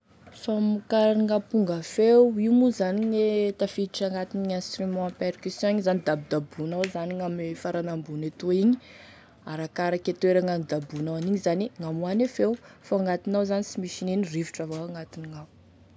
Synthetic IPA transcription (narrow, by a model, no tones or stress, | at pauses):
samukaɾɾiŋapuŋɡafewiwmuzaniɲet̪afiʈ͡ʂaŋɡat̪iniɛ̃nst̪rimɔ̃perkysjɔ̃iɲizanid̪abid̪abunawzaniŋamfaɾanambunet̪oiɲi | aɾakaɾaket̪eɾaŋanid̪abunawaniɲizaniŋamuanefewfaaŋɡat̪inawzanisimiʃininiriviʈ͡ʂavawaŋat̪iniŋaw